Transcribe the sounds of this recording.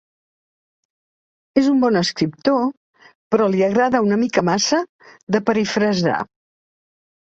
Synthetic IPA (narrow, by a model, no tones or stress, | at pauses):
ezumbɔnəskɾip̚t̪o | pɾɔliəɣɾaðəunəmikəmasə | ðəpəɾifɾəza̰